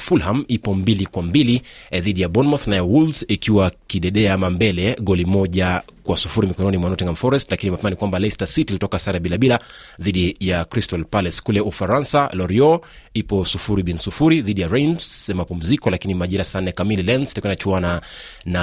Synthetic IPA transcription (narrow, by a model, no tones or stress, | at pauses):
fulhamipɔmbilikwambiliðiɗijaɓɔnmɔθnajawulzikiwakiɗɛɗɛamambɛlɛɠɔlimɔʄa | kwasufuɾimikɔnɔnimwanaɔtɛŋɡamfɔɾɛstlakinimapɛmanikwambalɛstasitilitɔkasaɾaɓilaɓila | ðiɗijakɾistɔlpalɛskulɛʔufaɾansalɔɾiɔ | ipɔsufuɾiɓinsufuɾiðiɗijaɾensmapum̩zikɔlakinimaʄiɾasanɛkamililɛnstaknat͡ʃuanana